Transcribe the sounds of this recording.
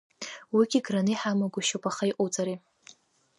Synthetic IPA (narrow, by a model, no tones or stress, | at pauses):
wiɡʲiɡranɨjħamaɡʷʊʃowpʼaχaiqʼut͡sʼaɾi